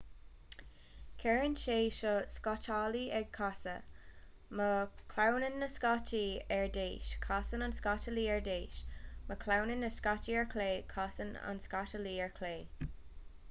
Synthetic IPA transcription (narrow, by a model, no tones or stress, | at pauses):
kʰɛɹənʃeːʃəskatʰaːliɛɡ̚kʰasə̰ | məkʰlawnənːəskat͡ʃʰiɛɹdeːʃkʰasənanskatəliːɛɹdeːʃməkʰlawnənːəskatiɛɹkʰleːkʰasəna̰nskatəliːɛɹkʰleː